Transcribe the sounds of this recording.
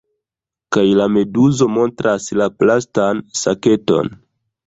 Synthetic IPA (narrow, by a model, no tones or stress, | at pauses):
kajlame̞duzo̞mo̞ntɾʔaslaplastansake̞to̞̰n